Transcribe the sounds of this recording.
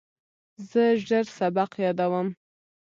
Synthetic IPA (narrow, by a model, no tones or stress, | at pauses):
zəʒəɾsabaqjɑd̪awəm